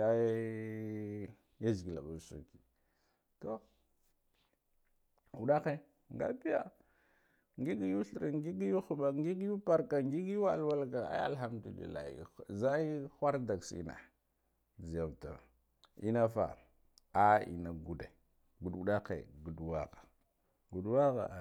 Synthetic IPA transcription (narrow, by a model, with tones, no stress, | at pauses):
a˦ | ja˦zɡi˨la̰˨ɓa˨sṵ˨ki˨ | to˦ | u˨ɗa˦xe˦ | ŋɡa̰˦pi˦ja̰˨ | ŋɡi˦ɡi˦ju˦ɬɾa˨ŋɡi˦ɡi˦ju˦xu˨ɓa˨ŋɡi˦ɡju˦pa˦ɾka˨ŋɡi˦ɡi˦a˦˨lwa˦lka˨a̰˦a̰˦˨lɦa˦mdu˨lḭ˨la̰˨hḭ˨za˦i˦xʷa˦ɾda˨ksḭ˦na̰˨ | d͡zi˨a˨mta˨ | i˦na˦fa̰˨ | a˦ḭ˨na˨ɡu˨de˨ | ɡu˨du˨ɗa˦kḛ˨ɡu˨dwa˦ɣḁ˨ | ɡu˨dwa˦ɣa̰˨